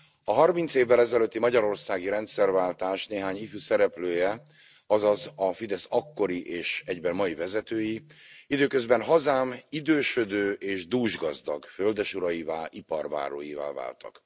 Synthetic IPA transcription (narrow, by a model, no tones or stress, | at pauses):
ɒɦɒrmint̪seːvːɛlɛzɛløt̪ːimɒɟɒɾo̞rsaːɡiɾɛnt̪sɛrvaːlt̪aːʃneːɦaːɲifysɛɾɛpløːjɛ | ɒzɒzɒfid̪ɛsɒkːo̞ɾiʔeːʃɛɟbɛmmɒjivɛzɛt̪øːjiid̪øːkø̞zbɛnɦɒzaːmid̪øːʃød̪øːʔeːʒd̪uːʒɡɒzd̪ɒ̰ɡføld̪ɛʃuɾɒjivaːlipɒrva̰ːɾo̰ːjiva̰ːva̰ːlt̪ɒ̰k